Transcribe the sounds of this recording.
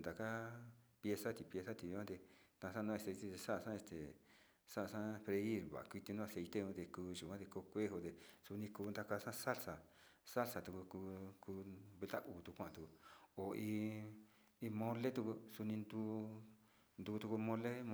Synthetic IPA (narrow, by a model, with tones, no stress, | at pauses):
nd̪a˨ka˦pje˧sa˦t̪i˧pje˧sa˦t̪i˧kʷã˦t̪e˧t̪ã˧sã˦˧nũ˦˧a˧˨se˧jt̪e˦t̪e˧sa˦ʔa˧ʂã˦e˧st̪ḛ˨ | sa˦ʔa˧sã˦pɾe˧i˦ɾβa̰˨˧kʷi˧t̪i˧nũ˦˧a˧se˧jt̪e˦ũ˧˦t̪e˧kuː˧ʒu˨kʷã˦t̪e˧ko˧kʷe˦ɦo˧t̪e˧su˧nĩ˧kuː˧nd̪a˧ka˧sã˦sa˦lsa˨ | sa˦lsa˨t̪u˧ku˧ku˧ku˧βe˧t̪a˦ʔuː˨t̪u˧kʷã˦˨ã˧t̪u˧ku˧o˨i˧ | i˧mõ˧le˦t̪u˧ku˧su˧nĩ˧nd̪u˧ | nd̪uː˧t̪u˧ku˧mõ˧lẽ˦˧